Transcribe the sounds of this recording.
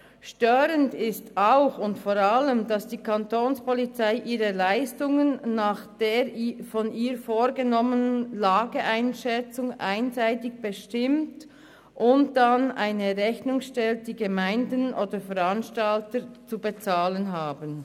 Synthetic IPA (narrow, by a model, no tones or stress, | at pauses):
ʃtøːɾəndɪstaʊxʊntfoːɾaləmdasd̥iːkʰantʰoːnspɔlit͡saɪʔiːʁəlaɪstʊŋənːaːχd̥eːɾfɔniːɾfoːɾɡənɔmənənnlaːɡəʔaɪnʃɛt͡sʊŋʔa̰ɪnzaɪtɪçb̥əʃtɪmt | ʔʊnt̚d̥ana̰ɪnəʁɛçnʊŋʃtɛlt̚d̥iːɡəmaɪndənʔoːdəfɛɾanʃtaltəɾt͡subət͡saːlənɦaːbən